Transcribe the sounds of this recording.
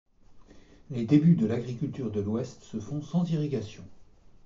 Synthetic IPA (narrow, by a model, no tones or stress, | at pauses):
led̪ebyd̪əlaɡʁikʲylt̪yʁd̪əlwɛst̪səfɔ̃sɑ̃ziʁiɡʲasjɔ̃